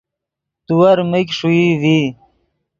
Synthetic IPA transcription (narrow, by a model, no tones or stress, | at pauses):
t̪uwɐɾməkʂuiwi